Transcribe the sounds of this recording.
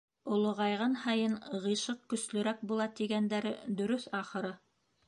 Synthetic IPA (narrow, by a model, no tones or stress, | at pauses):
ŏlˠŏʁɑjʁɤnhɑjɤnʁɤ̆jʃɤq̚kɵ̆slɵ̆ɾæk̚bulˠɑt̪iɡænd̪æɾɘd̪ɵ̆ɾɵθɑχɤ̆ɾɤ